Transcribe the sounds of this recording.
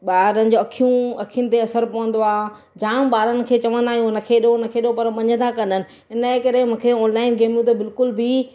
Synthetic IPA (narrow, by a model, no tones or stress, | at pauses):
ɓaːɾənɪ̆d͡ʑoːɐkʰijũɐkʰijʊnɪ̆t̪eɐsəɾpɐʋə̃nd̪oaː | d͡ʑãːɓaːɾənɪ̆kʰeːt͡ɕɐʋə̃nd̪aːɦiũnɐkʰeɗonɐkʰeɗopɐɾʋɐ̃ɲə̃nd̪ʰakɐ̃nənɪ̆ | ɪnəkɐɾemũːkʰeɔːnlaːɪnɡeːmjũt̪̬ebɪlkʊlbʱi